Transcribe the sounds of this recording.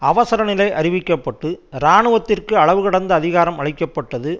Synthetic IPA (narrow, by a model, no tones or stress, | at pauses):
ɐʋɐsɐɾɐnɪlɐɪʔɐɾɪʋɪkːɐpːɐʈːɯɾaːɳɯʋɐt̪ːɪrkɯɐɭɐʋɯkɐɽɐnd̪ɐːðɪɣaːɾɐmɐɭɪkːɐpːɐʈːɐðɯ